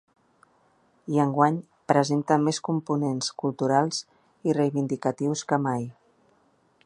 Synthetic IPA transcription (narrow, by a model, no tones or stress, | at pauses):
iəŋɡwaɲ | pɾəzent̪əmeskumpunenskulˠt̪uɾalˠz̥ | irəjβind̪ikət̪iwskəmaj